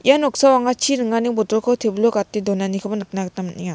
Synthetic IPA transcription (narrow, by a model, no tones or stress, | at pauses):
ianɔk̚sawaŋat͡ʃʰiɾɯŋaniŋbɔtɔɾkʰɔwtʰebulɔkat̚ːidɔnanikʰɯbɐnɯk̚naɡɯtamniŋa